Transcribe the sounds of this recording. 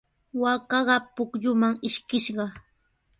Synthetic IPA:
wakɑɢɑpʊkʎʊmaŋɪʃkɪʃɢɑ

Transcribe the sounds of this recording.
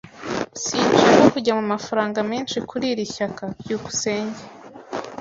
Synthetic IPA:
siːnd͡ʒeokuɟamumafaɾaːŋɡamiːnʃikʰuɾiɾiçakajuku̥se̞ːɲɟe

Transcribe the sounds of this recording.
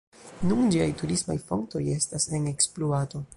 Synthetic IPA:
nund͡ʒiajtuɾisma̰jfo̞̰ŋkto̞je̞stase̞ne̞ksploato̞

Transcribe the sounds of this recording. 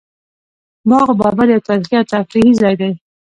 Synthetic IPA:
mɑɣabɑbaɾjawt̪ɑɾixijat̪̚t̪afɾihizɑjd̪aj

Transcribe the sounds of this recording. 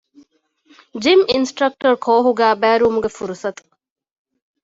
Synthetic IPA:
d͡ʒiminsʈɾɐk̚ʈɐɾkʰoːɦuɡæːbæːɾuumuɡefuɾusɐt̪u̥

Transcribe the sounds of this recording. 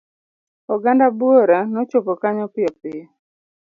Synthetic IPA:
ɔɡandabuoɾanɔt͡ʃopɔkaɲɔpɪɔpɪɔ

